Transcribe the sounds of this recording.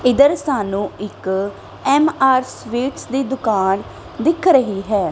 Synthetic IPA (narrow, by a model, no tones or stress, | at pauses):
ɪd̪əɾsaːnũːɪk | ɛːmaːɾsʋiːʈsd̪iːd̪ʊkaːn | d̪ɪkʰɾəɦiːɦɛː